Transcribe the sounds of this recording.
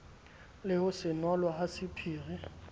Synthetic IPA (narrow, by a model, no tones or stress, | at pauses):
lɪhʊsɪnwalwahasɪpʰiːrɛ